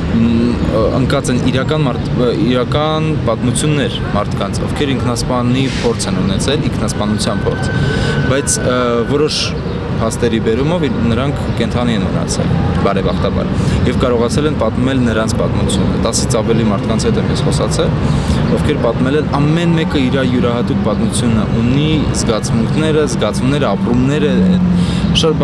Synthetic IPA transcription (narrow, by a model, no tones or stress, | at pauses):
ə̰ŋkɑt͡sɛniɾɑkɑnmɑɾiɾɑkɑnpɑt̪mut͡sʰjunːɛɾ | mɑɾt̪ʰkɑnt͡sʰɔ̰vkʰɛɾiŋkʰnɑspɑnipʰɔɾt͡sʰɛnunɛt͡sʰɛliŋkʰnɑspɑnut͡sʰjɑnpʰɔɾt͡sʰəbɑjt͡sʰvɔɾɔʃ | pʰɑst̪ɛɾibɛɾumɔvnəɾɑŋkʰːɛnt̪ʰɑniɛnmə̰nɑ̰t͡sʰɛ̰lbɑɾɛbɑχt̪ɑbɑ̰ɾjɛvkɑɾɔʁɑt͡sʰɛlɛnpɑt̪mɛlnəɾɑnt͡sʰpɑt̪mut͡sʰjunə̰t̪ɑsit͡sʰɑvɛlimɑɾt̪ʰkɑnt͡sʰhɛt̪ɛmjɛsχɔsɑt͡sʰɛlɔvkʰɛɾpɑt̪mɛlɛnɑmːɛnmɛkəiɾɑjuɾɑɦɑt̪uk̚ʰpɑt̪mut͡sʰjunəʔuni | zɡɑt͡sʰvuŋkʰnɛɾəzɡɑt͡sʰumnɛɾəɑpɾumnɛɾəɛ | ʃɑt̪̚b